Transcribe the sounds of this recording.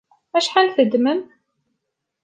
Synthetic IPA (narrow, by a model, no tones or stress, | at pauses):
æʃħanθəd̪məm